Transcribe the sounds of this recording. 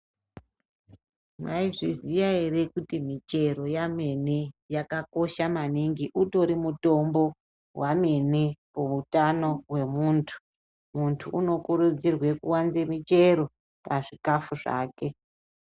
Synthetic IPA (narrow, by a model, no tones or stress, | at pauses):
mwaiʐizijaerekutimit͡ʃe̞ɾo̞jame̞nejakako̞ʃamaniŋɡiʔuto̞ɾimuto̞mbo̞ | wʔame̞nepoutano̞we̞muːntʰu̥ | muntʰuʔuno̞kuɾud͡zirwe̞kuwanzemit͡ʃe̞ɾo̞ | paʐikafuʐa̰ːke̞